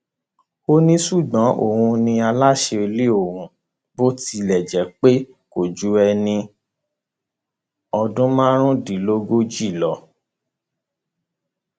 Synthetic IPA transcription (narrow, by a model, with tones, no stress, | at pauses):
o˦nĩ˦su˦˨ɡ͡bã˨˦ʔo̰˦˨hũ˧nĩ˧a˧la˦ʃe˧e˧le˦o˦˨wũ˨ | bo˦ti˧lɛ˨d͡ʒɛ˨˦k͡pe˦ | ko˨d͡ʒu˨˦ɛ˧nĩ˧ | ɔ˧dũ˦mãː˦ɾ̃ũ˦di˨lo˦ɡo˦d͡ʒi˦˨lɔ˨